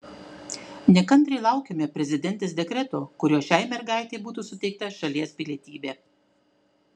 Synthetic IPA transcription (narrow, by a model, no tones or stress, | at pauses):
nʲɛkɐnʲt̪ʲɾʲɛɪlˠɑˑʊkʲemʲepʲɾʲɛzʲɪd̪ʲɛnʲt̪ʲeːsd̪ʲɛkɾʲɛt̪oːkʊɾʲoːʃʲæɪmʲɛɾɡɑˑɪt̪ʲɛɪbuːt̪uːsʊt̪ʲɛɪk̚t̪ɐʃɐlʲiɛspʲɪlʲiɛt̪ʲiːbʲeː